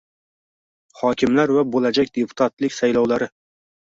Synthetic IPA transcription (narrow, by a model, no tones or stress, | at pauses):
hɒkʲɪmlaɾvabolad͡ʒakʲd̪epʰʊ̥t̪ʰat̪lɪkʲsajlɒwlaɾɪ